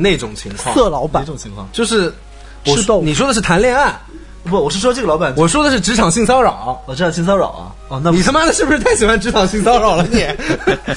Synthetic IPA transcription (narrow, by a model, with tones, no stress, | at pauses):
ne˥˩ɪʈ͡ʂʊ˨˩ŋt͡ɕʰi˧˥ŋkʰwɑsɤ˥˩lɑ˧˥ʊpa˨˧˩ʈ͡ʂʊ˨˩ŋt͡ɕʰi˧˥ŋkʰwɑ̰˥˨ŋt͡ɕjo˥˧ʊʂɻ̩˥˧ | w̩̪˨˩˥o˥˧˨ni˨˩ʂ̬wɔ˥d̪ə˧ʂ̬ɻ̩˥˩t̪ʰa˧˥nljɛ˥˧na˥˩n˧˩˥ | wɔ˨˩ʂɻ̩˥˩ʂwɔ˥ə˧ʈ͡ʂɤ˥˩ɡə˩ɑ˧˥pa˨˩nwɔ˨˩ʂwɔ˥d̪ə˨˧ʂɻ̩˥˩ʈ͡ʂɻ̩˧˥ʈ͡ʂʰɑ˨˩ŋɕi˥˩ŋsɑ˥ʊɻɑ˨˩˦ʊɐ˦ɔ˨˩ʈ͡ʂjɑ˥˧˩ɕi˥˧ŋs̬ɑ˥ʊɻɑ̰˨˩ʊɐ̰˦ | ɔ˥˧na˥˧ni˨˩a˥ma˥d̪ə˨ʂɻ̩˥˩bʂɻ̩˥t̪ʰa˥˩ɪɕi˨˩xwa˥nʈ͡ʂɻ̩˧˥ʈ͡ʂʰɑ˨˩ŋɕi˥˩ŋsɑ˥ʊɻɑ˨˩ʊlə˧˦njɛ˨˧˩